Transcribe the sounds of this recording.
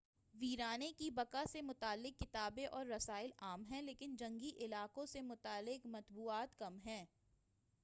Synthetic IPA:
ʋiːɾaːnekibɐkasemʊt̪aːlːɪkːɪt̪aːbẽʔɔːɾːɐsaːɪlaːmɦɛ̃leːkɪnd͡ʒɐ̃ŋɡiʔɪlaːkõsemʊt̪aːlːɪkmɐt̪buːaːt̪kɐmɦɛ̃ː

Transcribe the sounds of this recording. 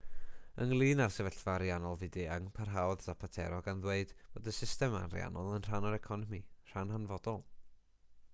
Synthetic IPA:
ə̰ŋlˠiːnarsɛvɛɬv̥aɾjanɔlˠvɪdiəŋpʰarɦawðdapʰatʰɛ̰ɾɔɡanðweɨd̥b̥oːdəsɪstɛma̰nrj̰a̰nɔlˠənr̥anaɾɛkʰɔnɔmir̥anhanvɔdɔlˠ

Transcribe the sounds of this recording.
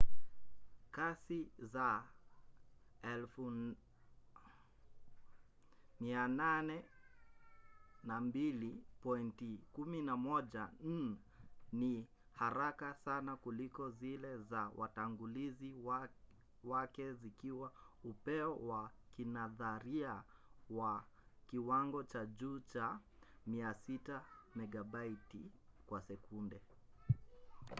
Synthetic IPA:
kasiza | ɛlfu | miananɛ | nambilipɔintikuminamɔʄan̩ɛ | ni | haɾakasanakulikɔzilɛzawʔa̰taŋɡuliziw | wakɛzikiwaupɛɔwakinaðaɾiawa | kiwaŋɡɔt͡ʃaʄuːt͡ʃa | miasitamɛɡabaitikwasɛkundɛ

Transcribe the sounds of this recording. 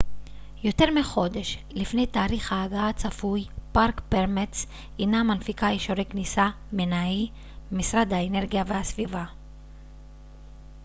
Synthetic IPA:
jo̞te̞ʁmiχo̞d̪e̞ʃ | lifnejtaːʁiχhaːɡaat͡safujpaʁkpeʁmet͡s | inamanfikaiʃoʁejknisa | menai | misʁad̪haene̞ʁɡijavehasviva

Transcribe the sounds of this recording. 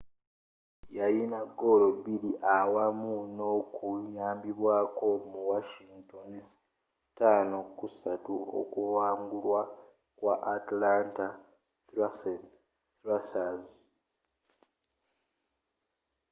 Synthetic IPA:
jajinaɡo̞lobiliʔawamuno̞kujaːmbiβwaːko̞muwaʃiŋɡtons | taːnokusatuo̰kuwaːŋɡulwa | kwaʔːtlanta | s | lasaz

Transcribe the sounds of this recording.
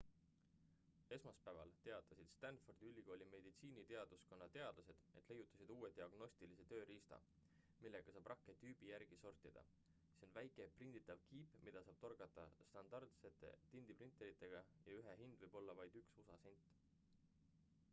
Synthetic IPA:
e̞smɑspæːvɑ̰lt̪e̞ɑt̪ːˑɑsid̪̥st̪ænt̪fo̞rd̪̥ylʲːiko̞ːlʲime̞d̪̥it̪siːnit̪e̞ɑd̪̥usko̞nːɑt̪e̞ɑd̪lɑse̞d̪̥e̞t̪le̞jːut̪ˑːɑ̥sid̪̥uːet̪iɑɡ̥no̞sʲt̪ilise̞t̪ø̞ːɾiːst̪ɑ̰ | milːe̞ɡ̥ɑsɑːb̥rɑkːe̞t̪yːb̥ijæɾrɡ̥iso̞rt̪id̪̥ɑ̰ | seo̞nvæjkˑe̞prind̪̥it̪ːˑɑvkiːpːmid̪̥ɑsɑːb̥t̪o̞rɡɑt̪ˑːɑ̰st̪ɑnd̪̥ɑrd̪se̞t̪ːˑe̞̰t̪ind̪̥iprint̪ˑːe̞ɾit̪ːˑe̞ɡ̥ɑjɑ̰yɦeɦind̪̥vɨjb̥o̞lːɑvɑjd̪̥yksusɑsenʲt̪ːˑ

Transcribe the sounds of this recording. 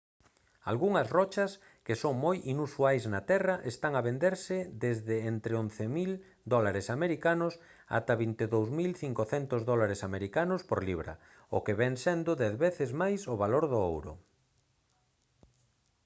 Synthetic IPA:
a̰lɣuŋɐzrɔt͡ʃɐs | kesoŋmojʔinusuajznɐt̪ɛrɐʔest̪aŋaβend̪eɾsɪd̪ezðɪent̪ɾeõnθemil | d̪ɔlaɾesameɾikanʊs | a̰t̪ɐβint̪eðowzmilθiŋkoθɛnt̪ʊzðɔlaɾesameɾikanʊspoɾliβɾɐ̰ | o̰keβɛŋsɛnd̪ʊðɛðβeθɪzmajsʊβaloɾðʊo̰wɾʊ̰

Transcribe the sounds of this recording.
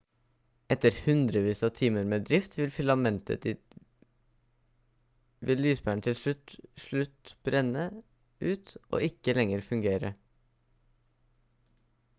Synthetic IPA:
ʔɛt̪əɾhʉnd̪ɾəʋiːsɑt̪ʰiːməɾmeːd̪ɾɪft̪ʰʋɪlfʏlɑmɛnt̪ə̰d̪ | ʋɪlːyːsbæːɳ̩t̪ʰɪlsɭʉt̪ʂɭʉt̪b̥ɾɛnə | ʉːt̪ʔo̰ːʔɪkəlɛŋəɾfʉŋɡeːɾə

